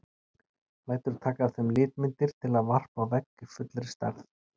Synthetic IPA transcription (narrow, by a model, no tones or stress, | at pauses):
laːjt̪ʏɾ̥t̪ʰaːkaɾθɛmlɪːt̪mɪnt̪ɪɾ̥t̪ʰɪlaðvar̥pawvɛkːɪfʏt̪lɾɪst̪a̰ɾθ